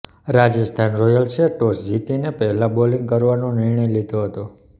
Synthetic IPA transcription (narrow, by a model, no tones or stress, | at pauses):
ɾad͡ʒəst̪ʰanɾɔjəlt͡ʃʰeʈosd͡ʒit̪inepɛɦlãboliŋɡkəɾʋanõnɪɾɳəjlid̪ʱoɦət̪o